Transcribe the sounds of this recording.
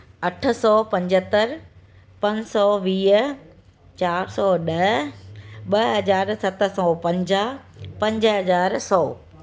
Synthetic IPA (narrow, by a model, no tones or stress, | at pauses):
ɐʈʰə̆sɔːpɐ̃ɲd͡ʑət̪əɾ | pɐ̃ɲsɔːʋiːɦ | t͡ɕaːɾsɔːɗɐɦ | ɓɐɦɐzaːɾsɐt̪̆sɔːpɐ̃ɲd͡ʑaːɦpɐ̃ɲd͡ʑɦɐzaːɾsɔː